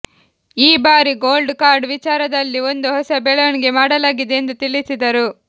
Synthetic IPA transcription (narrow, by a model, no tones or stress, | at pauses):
iːbaːɾiɡoːlɖkaːɾɖʋit͡ʃaːɾɐd̪ɐlːio̞nd̪uɦɔsɐbɛɭɐʋɐniɡe̞maːɽɐlaːɡid̪eend̪ut̪iɭisid̪ɐɾu